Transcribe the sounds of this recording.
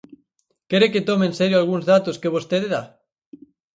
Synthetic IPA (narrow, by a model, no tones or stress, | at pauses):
keɾeket̪omeːnseɾjoalɣ̞unzðat̪oskeβ̞ost̪eðeða